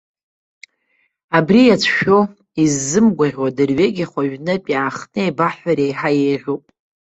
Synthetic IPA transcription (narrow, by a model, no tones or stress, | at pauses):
abrijat͡sʷʰʃᶣo | izːɨmɡʷaʕʲwadɨrɥeɡʲiχʷaɥᶣnɨpʲʼjaaχnɨebaħaɾejħajejʁʷupʼ